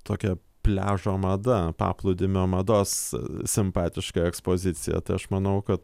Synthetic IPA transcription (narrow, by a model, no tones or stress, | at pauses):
t̪oːkʲɛ | pʲlʲæːʒoːmɐd̪ɐpɑ̰ːplˠʊd̪ʲɪmʲoːmɐd̪oːssʲɪmpɑːt̪ʲɪʃkɑɛkspoːzʲɪtt͡s̪ʲɪjɛ̰t̪ɐɪɐʃmɐnɐʊkɐt̪